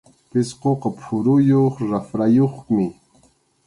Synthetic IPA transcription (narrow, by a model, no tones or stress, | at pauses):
pɪsqoqɑpʰʊɾujoχɾafɾajoχmɪ